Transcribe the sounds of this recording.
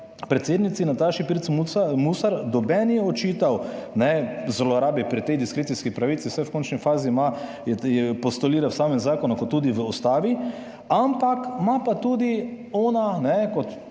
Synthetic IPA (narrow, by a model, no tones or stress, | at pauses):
pɾɛt̪seːd̪nit̪sinat̪aːʃipiɾt̪smumusaɾd̪ɔbɛnjɛɔt͡ʃiːt̪awnɛzlɔɾaːbipɾit̪ɛjd̪iskɾeːt̪iskipɾaʋiːt̪siwsɛwkont͡ʃnifaːzima | jɛjɛpɔst̪oliːɾawsaːmɛmzaːkɔnukɔt̪ːuːd̪iʋəɔst̪aːʋi | ampakmapat̪uːd̪i | ɔːnanɛkɔt̪